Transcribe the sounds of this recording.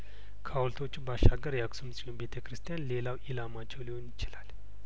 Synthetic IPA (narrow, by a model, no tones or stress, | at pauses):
kʰawlt̪ʰo̞t͡ʃːubaʃaɡəɾjaksumsiumbe̞t̪ʰəkɾɨst̪ʰijanle̞lawʔilamat͡ʃːɛwliho̞njɪt͡ʃɪlal